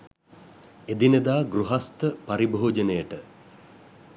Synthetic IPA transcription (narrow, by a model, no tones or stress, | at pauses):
ed̪inəd̪aːɡɾuɦast̪əpaɾibʱoːd͡ʒənəjəʈə